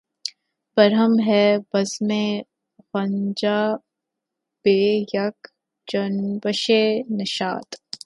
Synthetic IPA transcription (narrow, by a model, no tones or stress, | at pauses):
b̥ɐɾɦəmɦɛbɐzmẽ | ɣɐɲd͡ʒaː | b̥eːjɐk | d͡ʒɐnbəʃenɐʃa̰ːt̪